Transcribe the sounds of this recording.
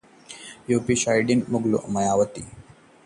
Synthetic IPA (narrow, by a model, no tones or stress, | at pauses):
joːpiʃajɖinmʊɡlṵmɐjaːʋət̪ḭ